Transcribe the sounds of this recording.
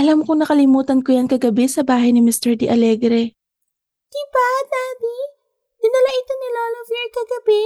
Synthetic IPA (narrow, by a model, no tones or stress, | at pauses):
ʔɐlamkoŋnɐkɐlɪmuːt̪ɐnkojankɐɡɐbɛsɐbaːɦɐjnɪmɪst̪ɛɹd̪ɪʔɐlɛːɡɾɛ | d̪̥ibanaːb̪i | d̪̥ɪnɐlaʔɪt̪onɪloːlovɛɹkɐɡɐbɛ